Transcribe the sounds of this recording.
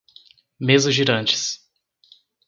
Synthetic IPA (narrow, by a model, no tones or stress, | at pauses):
mezʊʒiɾɐ̃nt͡ʃɪ̥s